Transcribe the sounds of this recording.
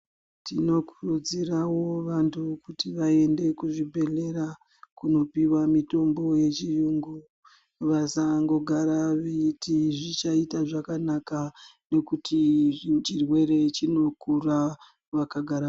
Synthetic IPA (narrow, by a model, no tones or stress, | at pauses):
tʰino̞kurud͡zirawo̞ʋantʰukutiʋae̞nde̞kuʐibʱe̞le̞ɾa | kuno̞piwamito̞mbo̞je̞t͡ʃijuŋɡu | ʋasaŋɡo̞ɡʱaɾaʋeitiʐit͡ʃaitaʐakanakane̞kutʰit͡ʃirwe̞re̞t͡ʃino̞kura | ʋakaɡʱaɾa